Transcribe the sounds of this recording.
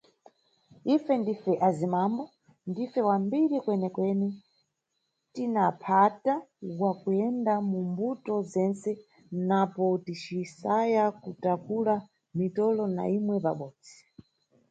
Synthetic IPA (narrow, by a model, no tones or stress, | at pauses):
ifɛndifɛʔazimambɔ | ndifɛwambiɾikwɛnɛkwɛnɛ | tinapʰatawakujɛndamumbutɔzɛnsɛ | napɔtit͡ʃisajakutakula | mitɔlɔna̰imwɛpa̰ɓɔːd͡zi